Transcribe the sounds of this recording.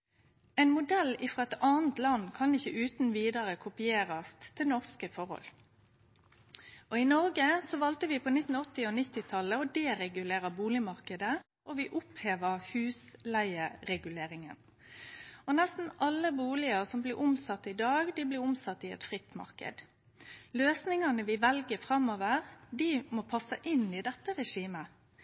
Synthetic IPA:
ɛɪnmʊd̪ɛlːɪfʁɑːɛt̪ɑːnt̪lɑnkʰɑnɪçːəʔʉːt̪n̩ʋiːd̪ɑʁəkʰʊpɪeːʁɑst̪t̪ʰɪlnɔʁskəfɔʁhɔ̰l | ʔɔɪnɔʁɡəsɔʋɑlt̪əʋɪpʰoːnɪt̪ːn̩ɔt̪ːɪɔnɪt̪ːɪt̪ʰɑlːəɔd̪eːʁɛɡʉleːʁəbuːlɪmɑʁkəd̪ə | ʔɔʋɪʔʊpheːʋəʁhʉːslæɪəɾɛɡʉleːɾɪŋən | ɔnɛst̪n̩ʔɑlːəbuːlɪəʁsɔmblɪʁʊmsɑt̪ːɪd̪ɑːɡd̪iblɪɾʊmsɑt̪ːɪɛ̰t̪fʁɪt̪ːmɑ̰ʁkə̰d̪ | løːsnɪŋɑnəʋɪʋɛlɡəfʁɑmoːʋəʁd̪ɪmopʰɑsːəʔɪnːɪd̪ɛt̪ːəʁɛʂiːmə

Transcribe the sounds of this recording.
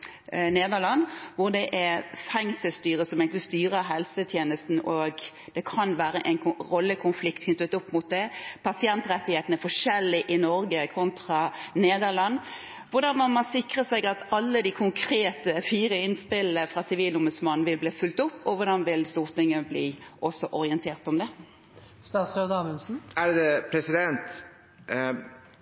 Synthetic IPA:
neːd̪əʁlɑnʋʊʁd̪ɛʔæɾfɛŋsəlst̪yːɾəsɔmɛk̪st̪yːɾəɦɛlsət̪ʰjeːnəst̪n̩ʔoːɡ | d̪̥ɛkʰɑnʋæːɾəʔɛɪnɾɔlːəkʰʊnflɪkt̪kʰnʏt̪ət̪ʊpːmʊt̪̚d̪ɛpʰɑsɪɛnt̪ɾɛt̪ːɪheːt̪ən̩ɛɾfɔʂɛlːɪʔɪnɔɾɡəkʰʋɔnt̪ʁɑneːd̪əʁlɑn | ʋʊɾd̪ɑnmɑnmɑsɪkʁəsæɪɡɑt̪ɑlːəd̪ikʰʊŋkʰɾeːt̪əfiːɾəɪnspɪlːəfɾʁɑsɪʋiːlʊmbʉd̪smɑnn̩ʋɪlbliːfʉlt̪ʊpːɔʋʊd̪ɑnʋɪlst̪uːʁt̪ɪŋːəblḭːʔɔsɔʔɔɾɪɛnt̪ʰeːʁt̪ɔmd̪ɛ | st̪ɑːt̪sɾeʋd̪ɑːmɪnsn̩æɖd̪ɛpʰɾɛsɪd̪ɛnt̪

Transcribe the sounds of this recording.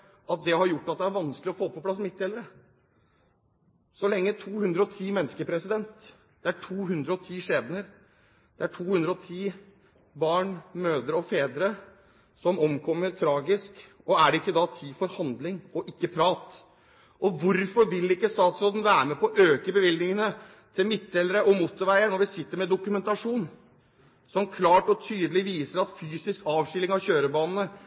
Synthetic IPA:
ɑt̪̚d̪ɛhɑɾjʊʈːɑt̪̚d̪ɛæɾʋɑnsklɪɔfoːpʰɔpʰlɑsmɪt̪ːɛləɾə | sɔlɛŋːət̪ʰuːhʉnd̪ɾəɔt̪ʰiːmɛnːəskəpʰɾɛsɪd̪ɛnt̪ | d̪̥ɛæʈʰuːɦʉnd̪ɾəɔt̪ʰiːʂeːd̪nəɾ | d̪̥ɛæʈʰuːhʉnd̪ɾəɔt̪ʰiː | bɑːɳmøːd̪əɾɔfeːd̪ɾə | sɔmɔmkʰɔmːəɾt̪ʰɾɑːɡɪsk | ɔæɖɛɪkːəd̪ɑt̪ʰiːfɔɾhɑnd̪lɪŋɔʔɪkːəpʰɾɑːt̪ | ʔɔʋʊɾfɔɾʋɪlɪkːəst̪ɑːt̪sɾoːd̪n̩ʋæːɾmɛpʰɔʔøːkəbəʋɪlɡ̪nɪŋənə | t̪ʰɪlmɪt̪ːɛləɾəʔɔmʊt̪ːʊɾʋæɪənɔɾʋɪsɪt̪ːəɾmɛd̪ʊkʉmɛnt̪ɑʂuːn | sɔmkʰlɑːʈɔt̪ʰyːd̪əlɪʋiːsəɾɑt̪fyːsɪskɑːʋʂɪlɪŋɑʋçøːɾəbɑːnn̩ə

